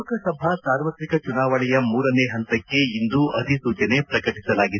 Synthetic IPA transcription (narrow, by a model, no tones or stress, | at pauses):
kɐsɐbʱasaːɾʋɐt̪ɾikɐt͡ʃunaːʋɐɭɛjɐmuːɾɐneːɦɐnt̪ɐkːe̞ind̪uɐt̪isuːt͡ʃɐne̞pɾɐkɐʈisɐlaːɡid̪